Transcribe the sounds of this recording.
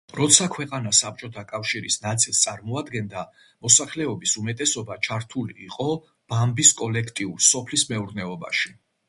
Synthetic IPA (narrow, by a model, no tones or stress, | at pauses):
ɾɔt̪sʰakʰwɛqʼanasap̚ʰt͡ʃʼɔt̪ʰakʼafʃiɾisnat̪sʼilˠst̪sʼaɾmɔad̪ɡɛnd̪a | mɔsaχlɛɔbisumɛt̪ʼɛsɔbat͡ʃʰaɾt̪ʰulḭːqʼɔ | b̥ambiskʼɔlɛkʰt̪ʼiuɾsɔpʰlismɛuɾnɛɔba̰ʃi